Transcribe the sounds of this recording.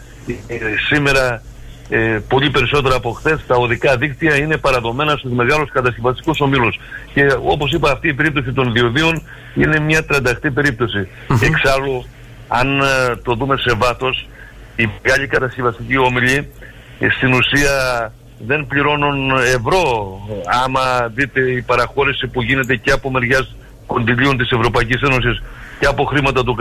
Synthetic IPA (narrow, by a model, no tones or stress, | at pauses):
sime̞ɾɐ | po̞ʎipe̞ɾiso̞t̪e̞ɾɐːpo̞xθe̞st̪ɐoðikɐðikt̪iɐine̞pɐɾɐðo̞me̞nɐst̪uzme̞ɣɐluskɐt̪ɐscevɐst̪ikuso̞milusce̞o̞̰po̞sipɐːft̪iːpe̞ɾip̚t̪o̞s̬it̪o̞nðio̞ðion | ine̞mɲɐt̪ɾɐnd̪ɐxt̪ipe̞ɾip̚t̪o̞si | e̞ksɐlu | ɐnt̪o̞ðume̞se̞vɐθo̞s | iɣɐʎikɐt̪ɐscevɐst̪icio̞miʎi | st̪inusiɐ | ðe̞mpʎiɾo̞nune̞vɾo̞ɐmɐðit̪e̞ipɐɾɐxo̞ɾisipuʝine̞t̪̬e̞ceɐpo̞me̞ɾʝɐs | ko̞nðilio̞nt̪ise̞vɾo̞pɐicise̞no̞s̬isceɐpo̞xɾimɐt̪ɐt̪̬uk